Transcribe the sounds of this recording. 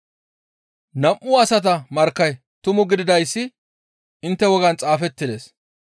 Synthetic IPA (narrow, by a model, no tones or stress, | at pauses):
nɐmʔʊɐsɐt̪̬ɐmɐɾkːɐj | t̪ʊmʊɡɪd̪ɪd̪ɐjsːɪ | ʔɪnt̪ːɛwɔɡɐnt͡sʼaːfɛt̪ːɪd̪e̞ːs